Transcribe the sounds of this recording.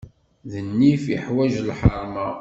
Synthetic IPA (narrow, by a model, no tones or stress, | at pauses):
ðənːifə̰ħwæʒlħɑɾˤma